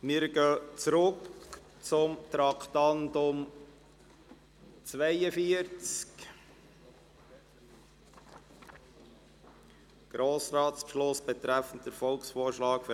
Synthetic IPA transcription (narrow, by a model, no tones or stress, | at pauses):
mɪɾɡœːt͡sɾʊk | t͡sʊmt̪ɾɑkt̪ɑnd̪ʊm | t͡sʋɛjəfiəɾt͡sk | ɡ̥ɾoːsɾɑːtspʃlʊsb̥ɛt̪ɾæfən̩t̚d̥əɾfɔlksfoːɾʃlɑːkf